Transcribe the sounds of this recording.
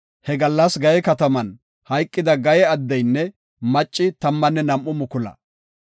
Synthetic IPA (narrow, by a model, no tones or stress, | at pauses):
hɛɡɐlːɐsɡɐjɛkɐt̪ɐmɐn | hɐjkʼːɪd̪ɐɡɐjɛɐd̪ːɐjnːɛ | mɐt͡ʃʼːɪt̪ɐmːɐnːɛnɐmʔʊmʊkʊlɐ̰